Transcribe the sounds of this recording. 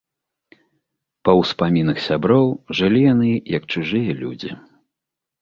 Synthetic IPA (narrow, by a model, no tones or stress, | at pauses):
pɐwspamʲinɨxsʲabɾɔwʐɨlʲijan̪ɨjɐkt͡ʂuʐɨjɐlʲṵd͡zʲḭ